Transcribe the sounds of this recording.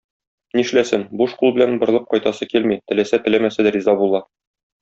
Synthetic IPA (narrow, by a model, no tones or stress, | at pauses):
niʃlæsɘnbuʃqulˠbɘ̆lænbɤ̆ɾɤlˠɤp̚qɒjt̪ɑsɤkilmit̪ɘ̆læsæt̪ɘ̆æmæsæd̪æɾʲizɑbulˠɑ